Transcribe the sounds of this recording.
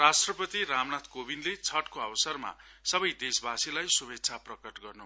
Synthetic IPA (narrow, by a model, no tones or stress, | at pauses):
rasʈrʌpʌt̪iɾamnat̪ʰkobinlet͡sʰʌʈkoʌbsʌrma̰ | sʌbʌjd̪esbasilajsubekt͡sʰaprʌkʌʈɡʌrnu